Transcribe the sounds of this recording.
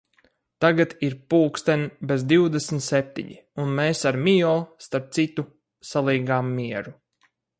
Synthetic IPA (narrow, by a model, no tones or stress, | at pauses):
t̪aɡat̪iɾpuːkst̪ɛnʲbezd̪iwd̪esmt̪sep̚t̪ḭɲḭ | unmeːsaɾmijɔlˠst̪aɾp̚t̪sit̪u | salˠiːɡaːmːiɛɾu